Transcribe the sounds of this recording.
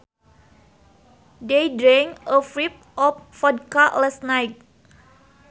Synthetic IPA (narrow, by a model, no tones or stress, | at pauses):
dejdɾɛŋəfɹip̚ʔɔf̚fɔd̚kalɛsnajk̚